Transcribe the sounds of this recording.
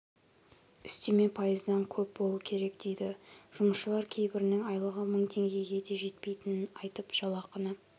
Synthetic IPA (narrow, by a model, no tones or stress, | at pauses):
ʏst̪e̞me̞pʰɑjəzd̪ɑŋkʲʰɵp̚bolˠuəkʲʰe̞ɾe̞kd̪̥e̞jd̪ɪʒ̥ʊməsʃəlˠɑɾkʲʰe̞jbɪɾɪnɪŋɑjlˠəʁəməɴt̪ʰe̞ŋɡʲe̞ɡʲe̞d̪e̞ʒe̞t̪pe̞jt̪ɪnɪnɑjt̪əpʒ̥ɑlˠɑqənə